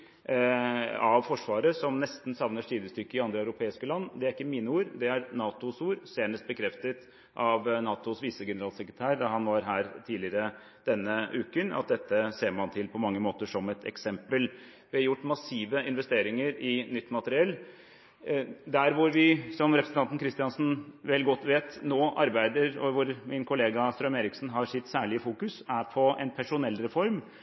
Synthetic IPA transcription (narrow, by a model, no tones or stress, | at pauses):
ɑʋfɔʂʋɑːɾəsɔmnɛst̪n̩sɑʋnəʂʈiːd̪əst̪ʏkːəɪɑnd̪ɾəɑʉɾʊpʰeːɪskəlɑnːd̪ɛæɾɪkːəmiːnəuːɾd̪ɛæɾnɑːt̪ʊsuːɾseːɳəst̪̚bəkʰɾɛft̪ət̪ | ʔɑʋnɑːt̪ʊsʋiːsəɡɛnəɾɑːlsɛkɾət̪ʰæːɾd̪ɑhɑnʋɑɾɦæːɾt̪ʰiːlɪəɾə | d̪̥ɛnːəʔʉːkənɑ̰t̪̚d̪ɛt̪ːəseːɾmɑnt̪ʰɪlpʰɔmɑŋːəmoːt̪əʂɔmɛt̪ʰɛ̰ksɛmpəl | ʋɪɑjʊʈːmɑsiːʋəɪnʋɛst̪eːɾɪŋəɾɪnʏt̪ːmɑt̪əɾɪɛlː | d̪æɾʋʊɾʋɪsɔmɾɛpɾsn̩ɑnt̪n̩kɾɪst̪ɪɑnsn̩ʋɛlːɡɔt̪ːʋeːt̪noːʔɑɾbæɪd̪əɾɔʋʊɾmɪnkʰʊleːɡɑst̪ɾœʏmeːɾɪksn̩ɦɑɾʂɪt̪sæːɭɪəfuːkʉsæɾpʰɔɛnpʰæʂʊnɛlːɾɛfɔɾm